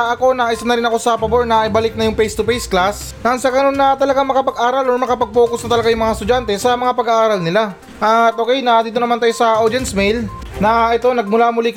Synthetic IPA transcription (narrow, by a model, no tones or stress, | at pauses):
ʔɐko̞naʔɪsanɐɾɪnɐko̞sɐpɐboɹnɐʔɪbalɪk̚nɐjʊŋpɛjst̪ʊpejsklas | nɐansɐɡɐno̞nːɐt̪ɐlɐɡaŋmɐkɐpɐɡʔaːɾɐloɹmɐkɐpɐɡ̚po̞ːkʊsnɐt̪ɐlɐɡajʊŋmɐŋast̪ʊd͡ʒant̪ɛsɐmɐŋapɐɡaʔaːɾɐlnɪla | ʔɐt̪̚ʔo̞ːkɛjnɐd̪iːt̪onɐmant̪ajosɐʔodd͡ʒɛnsmɛjl | nɐʔɛt̪o̞nɐɡ̚mʊlamʊlik